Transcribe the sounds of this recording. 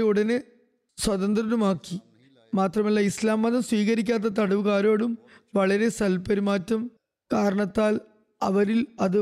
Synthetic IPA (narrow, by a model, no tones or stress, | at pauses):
uɽɐnɨ | swɐðɐnd̪rɐɾumaːkːi | maːt̪rɐmɐlːɐislaːmːɐðɐmswiːɣɐɾik̬ʲːaːt̪̬ːɐt̪ɐɽuʋɣaːɾo̞ːɽum | ʋɐɭɐɾe̞sɐlpɐɾimaːtːɐm | kaːɾɐɳɐt̪ːaːl | ɐʋɐɾilɐðɨ